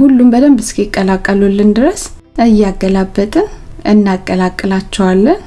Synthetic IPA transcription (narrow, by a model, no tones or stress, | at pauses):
hulːumbəd̪əmbɨskiɪkʼːəlakʼːəlulːɨnd̪ɨɾəs | ɨjaɡəlabːət̪ʼɨnʔɨnːakʼːəlakʼːɨlat͡ʃːɛwalːən